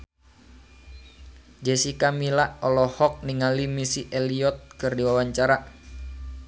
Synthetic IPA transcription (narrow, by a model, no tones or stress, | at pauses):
d͡ʒɛsikamilaʔɔlɔhɔk̚niŋalimisiʔɛliɔt̪̚kɨrdiwawaɲt͡ʃaɾa